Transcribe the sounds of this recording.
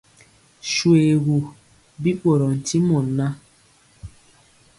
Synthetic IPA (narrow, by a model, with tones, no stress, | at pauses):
ʃwe˨ɣu˨ | bi˦k͡po˨ɾɔ˨n̩˨ti˦mɔ˨na˦